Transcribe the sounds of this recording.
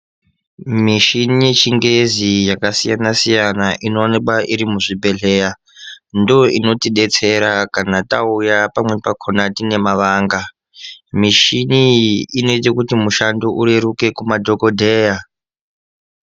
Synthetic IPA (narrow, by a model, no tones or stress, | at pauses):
miʃinijet͡ʃiŋɡezijakasijanasijanaʔinoːnekwaʔiɾimuʐibʱe̞ɮe̞ːja | ndoino̞tiɗe̞t͡se̞ɾakanataujapamwe̞pakʰonatine̞maʋaːŋɡa | miʃiniine̞tekutimuʃandoʔuɾe̞ɾuke̞kumadʱo̞ko̞dʱeːja